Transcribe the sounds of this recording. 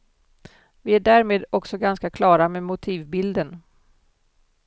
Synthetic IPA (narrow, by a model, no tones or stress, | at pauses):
vɪæɖæːɾmeːd̪ɔksɔɡanskakʰlɑːɾamemʊt̪ʰiːvbɪld̪ən